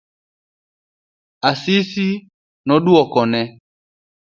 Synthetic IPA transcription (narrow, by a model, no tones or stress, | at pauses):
asisi | nɔɗuɔkɔnɛ